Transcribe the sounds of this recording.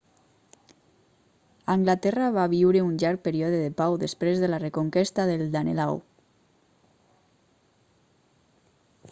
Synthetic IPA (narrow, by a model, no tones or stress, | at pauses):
aŋɡlat̪ɛraβaβiwɾeunʎaɾk̚peɾiɔðeðepawðespɾezðelarekoŋkest̪aðelˠd̪anḛla̰w